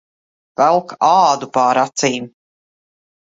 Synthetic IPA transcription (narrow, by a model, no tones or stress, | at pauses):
vɛlˠkaːd̪upaːɾat̪siːm